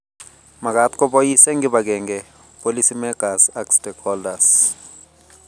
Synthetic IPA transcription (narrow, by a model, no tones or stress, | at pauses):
mak̬at̪ʼkɔɓojisɛŋɡiɓak̬ɛŋɡɛ | pʼolisimɛɡ̥asakstʼɛkʰɔldas